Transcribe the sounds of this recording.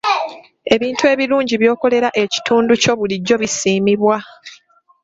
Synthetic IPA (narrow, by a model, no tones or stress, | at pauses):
e̞βiːntue̞βiluːɲɟiβjo̞ːko̞le̞ɾaʔe̞ci̥tʰuːnduco̞βuliɟːo̞βisiːmiβwa